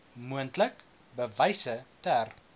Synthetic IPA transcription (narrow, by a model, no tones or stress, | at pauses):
muəntlək | bəvɐjsətær